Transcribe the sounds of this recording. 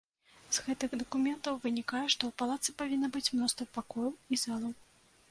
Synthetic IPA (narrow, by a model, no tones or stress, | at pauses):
z̥ɣɛt̪ɨxɣd̪ɐkumʲɛnt̪ɐwvɨnʲikajɛʂt̪ɔwpalˠat̪sɨpavʲinːɐbɨt͡sʲmnɔst̪vɐpakɔjɛwizalˠɐw